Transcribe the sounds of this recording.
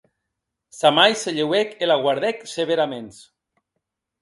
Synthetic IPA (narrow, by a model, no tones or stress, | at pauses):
samajseʎewekelaɣwaɾðekseβeɾamens